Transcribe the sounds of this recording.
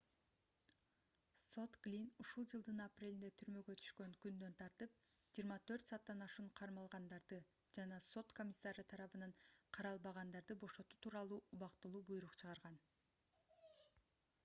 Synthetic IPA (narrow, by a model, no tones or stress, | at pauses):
so̞t̪ɡlʲinuʃulˠd͡ʒɯlˠd̪ɯnɑprʲe̞lind̪et̪ʰyɾmø̞ɡø̞t̪ʰy̥ʃkø̞ŋkynd̪ø̞nt̪ʰɑɾt̪ɯp̚ | d͡ʒijːɾmɑt̪ʰø̞ɾt̪sɑːt̪ːɑnɑʃuɴqʰɑɾmɑlˠʁɑnd̪ɑɾd̪ɯ | d͡ʒɑnɑso̞t̪kʰo̞mʲisːɑɾɯt̪ʰɑɾɑβɯnɑɴqʰɑɾɑlˠbɑʁɑnd̪ɑɾd̪ɯbo̞ʃo̞t̪ut̪ʰuːɾɑlˠuːʔuβɑqt̪ɯlˠuːbujɾuqt͡ʃʰɯʁɑɾʁɑn